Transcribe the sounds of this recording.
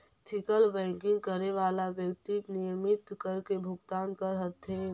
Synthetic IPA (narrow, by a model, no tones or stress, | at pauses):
t̪ʰɪkəlʋɛ̃ːŋkɪ̃ŋɡ̚kəɾeʋaːlaʋjəkt̪inɪjəmɪt̪kəɾkebʱʊɡt̪aːnkəɾɦət̪ʰːe